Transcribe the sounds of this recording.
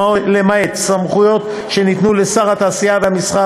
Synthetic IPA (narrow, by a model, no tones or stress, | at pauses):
lemaetsamχujo̞t̪ | ʃe̞nit̪nule̞saʁhat̪aːsiavehamisχa